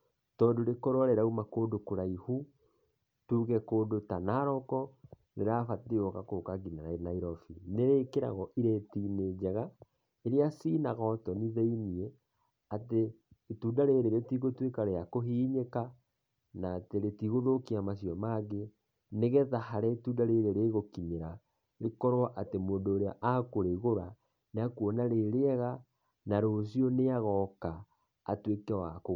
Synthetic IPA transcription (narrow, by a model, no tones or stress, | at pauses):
tɔːndoɾekɔɾɔɾɛɾaumakoːdokoɾaihu | tuːɣɛkoːdotanaɾɔkɔ | neɾafateɔkakokaɡinaɾaenaiɾɔfineɾekeɾa̰ɣɔʔiɾetineːd͡ʑɛɣa | eɾijasiːnaɣɔtɔniðeiniɛ | ateː | tuːdaɾeɾeɾetiɣotwekaɾeakoɦiːɲeka | naːteɾetiɣoðokiamasjɔmaɣe | neɣeðahaɾɛtuːdaɾeɾeɾeɣokiɲeɾa | ɾekɔɾoaʔatemoːndoːɾeaʔakoɾeɣoɾa | neakuɔnaɾeɾeɛɣa | naɾosjɔneaɣɔka̰ː | twekeawako